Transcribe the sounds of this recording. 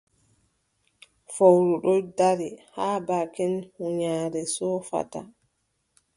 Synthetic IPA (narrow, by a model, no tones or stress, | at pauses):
fowɾuɗɔjdaɾihaːbaːkɛnhuɲaːɾɛsɔfa̰ta̰